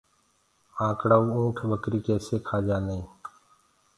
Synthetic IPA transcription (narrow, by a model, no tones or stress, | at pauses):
ãːkɽaːuːũːʈʰɓəkɾiːkeːseːkʰaːd͡ʒaːnəĩː